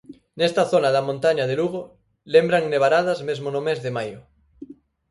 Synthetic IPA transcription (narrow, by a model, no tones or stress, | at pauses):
nest̪ɐθonaðɐmõnt̪aɲaðeluɣo | lembɾaŋneβaɾaðɐzmezmonomezðemajʊ